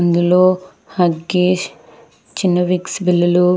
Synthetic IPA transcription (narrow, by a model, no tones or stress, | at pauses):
nd̪uloː | hɐɡeːʃ | t͡ʃinːɐʋiksbilːɐlu